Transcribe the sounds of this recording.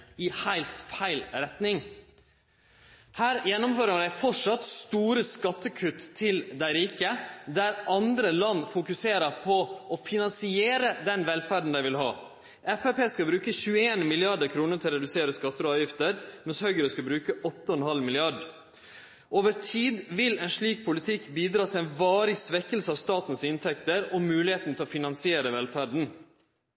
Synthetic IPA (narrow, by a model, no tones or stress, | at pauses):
ɪhæɪlt̪fæɪlɾɛt̪nɪŋ | hæːɾjɛnːɔmfɔɾməɖæɪfɔʂɑt̪st̪uːɾəskɑt̪ːəkʰʉt̪ʰːɪld̪æɪɾiːkəd̪æɾʔɑnd̪ɾəlɑnːfʊkʉseːɾəɾpʰɔʔɔfɪnɑnsɪeːɾəd̪ɛnʋɛlfæːɖn̩d̪æɪʋɪlɦɑ̰ː | ʔɛfɛpeːskɑbɾʉːkəçʉːəeːnmɪlɪɑɖəɾkʰɾuːnət̪ʰɪlɾɛd̪ʉseːɾəskɑt̪ːəɾɔɑːʋjɪft̪əɾmɛnshœʏɡɾəskɑbɾʉːkəʔɔt̪ːəɔɛnhɑlmɪlɪɑɖ | ʔoːʋəɾt̪ʰiːd̪ʋɪlɛɪnʂɭiːk̚pʰʊlɪt̪ʰɪkːbiːd̪ɾɑːt̪ʰɪlɛɪnʋɑːɾɪsʋɛkːəlsəɑʋst̪ɑːt̪n̩sɪnt̪ʰɛkt̪əɾɔmʉːlɪheːt̪n̩t̪ʰɪlɔfɪnɑnsɪeːɾəʋɛlfæːɖn̩